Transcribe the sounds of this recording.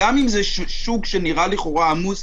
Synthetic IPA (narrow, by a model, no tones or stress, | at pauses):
amimze | ʃuɡʃeniʁaliχo̞ʁaamuz